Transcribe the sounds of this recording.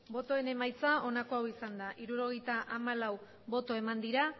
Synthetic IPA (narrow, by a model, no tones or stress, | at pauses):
bo̞t̪o̞e̞ne̞majt͡sao̞nako̞awisand̪aʔiɾuɾo̞ɣ̞e̞jt̪aʔamalaw | bo̞t̪o̞e̞mand̪iɾa